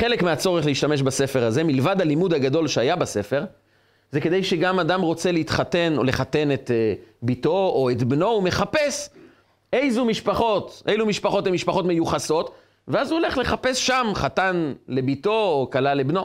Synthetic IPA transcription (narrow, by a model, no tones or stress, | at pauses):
χelekmeat͡so̞ʁeχleiʃt̪ame̞ʃbase̞fe̞ʁaze̞milvadhalimud̪haɡad̪o̞lʃeajabase̞fe̞ʁ | zeke̞d̪e̞jʃeɡamadamʁo̞t͡se̞leit̪χate̞no̰le̞χate̞ne̞t̪ebito̞oet̪bno̞ume̞χape̞s | ejzumiʃpaχo̞t̪ʔejlumiʃpaχo̞temiʃpaχo̞t̪me̞juχaso̞t | veazuole̞χle̞χape̞sʃamχatanle̞bito̞ːkalalebno̞